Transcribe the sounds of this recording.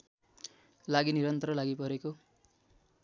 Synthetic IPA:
laɡiniɾʌnt̪ʌɾʌlaɡipʌɾeko

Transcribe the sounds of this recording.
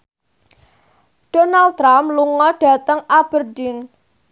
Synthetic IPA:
d̥onalt̪ɾamluŋɔɖ̥ä̤t̪əŋab̥ərdin

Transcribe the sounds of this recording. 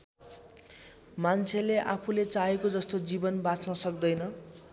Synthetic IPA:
mant͡sʰeleʔapʰulet͡saɦekod͡zʌst̪od͡zibʌnbat͡snʌsʌkd̪ʌjnʌ

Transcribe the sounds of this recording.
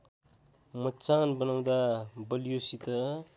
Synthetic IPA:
mʌt͡sanbʌnaw̃d̪abʌlijosit̪ʌ

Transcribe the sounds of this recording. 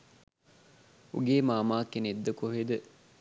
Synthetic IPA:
uɡeːmaːmaːkːened̪ːəkoɦed̪ə

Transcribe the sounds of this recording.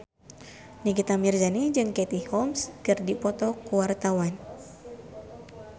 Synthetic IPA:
nik̬it̪amirzanid͡ʒɨŋkɛt̪ihɔmskɨrdipɔt̪ɔkuwart̪awan

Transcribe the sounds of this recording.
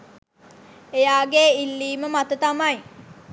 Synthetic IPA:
ejaːɡeːilːiːməmat̪ət̪amaj

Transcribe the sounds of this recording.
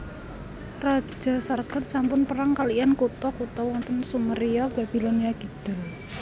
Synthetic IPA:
rḁd͡ʒ̥a̤sarkət̪sampʊnpəɾaŋkalijankut̪ɔkut̪ɔwɔnt̪ənsuməɾijɔb̥ab̥i̤lɔniaɡ̥id̪̥a̤l

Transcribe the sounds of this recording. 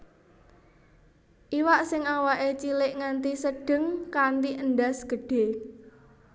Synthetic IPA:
ʔiwaʔsɪŋawaʔet͡ʃilɪʔŋant̪isəɖ̥ə̤ŋkant̪iʔənɖa̤sɡ̥ə̤ɖ̥e̤

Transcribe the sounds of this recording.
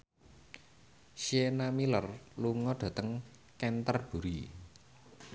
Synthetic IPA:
ʃienamilərluŋɔɖ̥ä̤t̪əŋ | kɛnt̪ərb̥ṳɾi

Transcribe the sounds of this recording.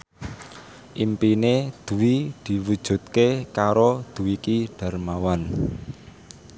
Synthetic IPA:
ʔimpined̪̥ṳwid̪̥i̤wud̥ʒ̥ṳt̪̚kekaɾod̪̥ṳwikiɖ̥a̤rmawan

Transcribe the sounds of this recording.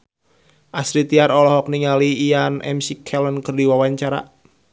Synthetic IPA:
ʔasɾit̪iaɾɔlɔɦɔk̚niŋaliːjanɛ̰msikʰɛlənkərdiwawaɲt͡ʃaɾa̰

